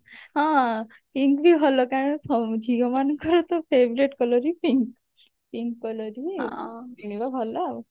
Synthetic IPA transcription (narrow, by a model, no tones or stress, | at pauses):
ɦã | piŋkbʱiɦɔlɔkaɽ̃ɔsʰɔd͡ʒʱiɔmanɔŋkɔɾɔt̪ɔpʰebɾeʈkɔlɔɾipiŋk | piŋkːɔlɔɾiiɦnibabʱɔla